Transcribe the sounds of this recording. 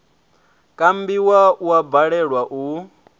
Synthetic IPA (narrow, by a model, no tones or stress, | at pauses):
kʼambiwauwabaɺɛɺwaʔu